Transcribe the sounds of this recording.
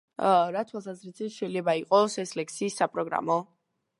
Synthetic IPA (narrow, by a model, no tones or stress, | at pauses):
ɾat̪ʰwalˠsazɾisit̪ʃɛilɛbaiqʼɔsɛslɛk̚sʰiːsːapʼɾɔɡɾa̰mɔ